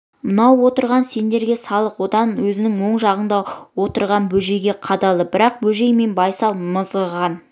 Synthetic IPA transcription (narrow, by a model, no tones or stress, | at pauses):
mənɑwwo̞t̪əɾʁɑnse̞nd̪e̞ɾɡʲe̞sɑlˠəqwo̞d̪ɑnwɵzɪnɪŋwo̞ɴʒɑʁənd̪ɑwo̞t̪əɾʁɑnbɵʒe̞jɡʲe̞qʰɑd̪ɑlˠəbɪɾɑq̚bɵʒe̞jme̞nbɑjsɑlˠməzʁəʁɑn